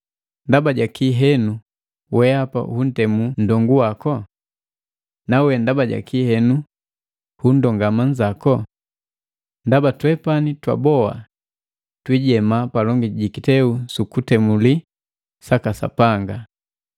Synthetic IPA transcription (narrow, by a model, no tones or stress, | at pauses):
ndabaɟakiɦɛnu | wɛapa̰hun̩tɛmun̩dɔŋɡuwakɔ | nawɛndabaɟa̰kʰihɛnu | hun̩dɔŋɡamaɲd͡ʒakɔ | ndabatwɛpanitwa̰bɔa̰ | twiɟɛmapalɔŋɡiɟikitɛusukutɛmuli | sakasa̰paŋɡa